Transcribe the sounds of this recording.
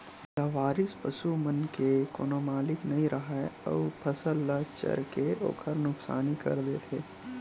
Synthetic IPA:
laːʋaːɾɪspɐʃumɐnkekoːnoːmaːlɪknɐɦĩɾʔɐɦaeɐ̰upʰɐsəlːat͡ʃɐ̰ɾkeo̰ːkʰəɾnʊksa̰ːnikɐ̰ɾd̪eːt̪ʰeː

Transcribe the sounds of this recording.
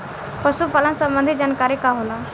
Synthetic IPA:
pʰəsupalənsə̃mbə̃nd̪ʱid͡ʒankaɾikaɦola

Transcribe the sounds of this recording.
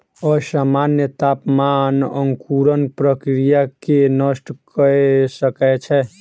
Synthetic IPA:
ɔsamanjət̪apmanə̰ŋkuɾənpɾəkɾijakenəsʈʰkəesəkɛt͡ʃʰɛ

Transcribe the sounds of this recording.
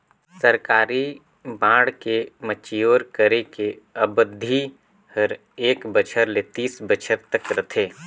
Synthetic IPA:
səɾkaːɾi | bãːɽkemət͡ʃijoːɾkəɾekeɐbəd̪ʱːi | hɐɾ | eːkbət͡ʃʰəɾlet̪iːsbət͡ʃʰəɾt̪əkɾɐt̪ʰeː

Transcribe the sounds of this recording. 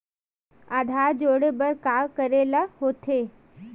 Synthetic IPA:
aːd̪ʱaːɾd͡ʒoːɽebəɾkaːkəɾelahoːt̪ʰeː

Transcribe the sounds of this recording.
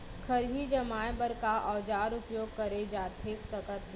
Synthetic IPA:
kʰəɾɦid͡ʒɐmaːjbəɾkaʔɔːd͡ʒaːɾʊpjoːɡ̚kɐɾed͡ʒaːt̪ʰesəkət̪

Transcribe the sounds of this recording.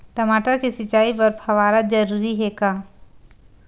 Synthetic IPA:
ʈɐmaːʈəɾkisɪt͡ʃaːipɐɾpʰɐʋaːɾad͡ʒɐɾuːɾiɦɛkaː

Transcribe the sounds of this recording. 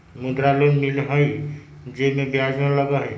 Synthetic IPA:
mud̪ɾalonmilɦəj | d͡ʒemebjad͡ʒmeləɡəɦ

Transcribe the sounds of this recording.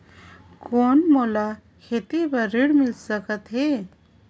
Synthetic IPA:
konmola | kʰet̪ibəɾiɽmilsəkət̪ɦe

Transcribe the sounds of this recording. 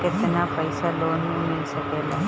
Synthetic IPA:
kɪt̪napəjsaloːnɦũmɪlsəkela

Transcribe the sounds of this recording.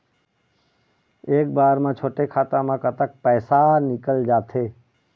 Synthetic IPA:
eːkbaːɾmãt͡ʃʰoːʈekʰaːt̪ãmãkət̪ək̚pɛːsanɪkəld͡ʒaːt̪ʰeː

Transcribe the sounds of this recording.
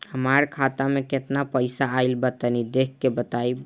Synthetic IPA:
həmaɾkʰat̪ameket̪napəɪsaːɪlbət̪ənid̪ekːebət̪ai

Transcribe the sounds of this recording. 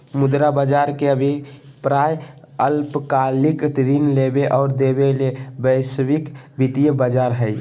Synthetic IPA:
mʊd̪ɾabəd͡ʒaɾkeəbʱipɾaj | əlpkalikʈɾinlebeʔɔːɾd̪ebelebəɪswikbʱit̪ijəbəd͡ʒaɾɦəj

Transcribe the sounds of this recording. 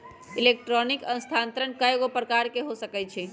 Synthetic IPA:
ilek̚ʈɾɔnikə̃nst̪ʰant̪ɾənkəjɡopɾəkaɾkeɦosəkɛt͡ʃʰi

